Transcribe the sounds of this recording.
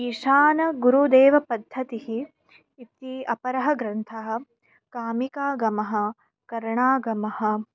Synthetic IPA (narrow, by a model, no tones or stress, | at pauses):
iːʂaːnɐɡuɾud̪eːʋɐpɐd̪ʱːɐt̪ihiː | t̪iɐpɐɾɐɦɐɡɾɐnt̪ʰɐɦɐ̆ | kaːmikaːɡɐmɐɦɐ̆ | kɐɾɳaːɡɐmɐhɐ̆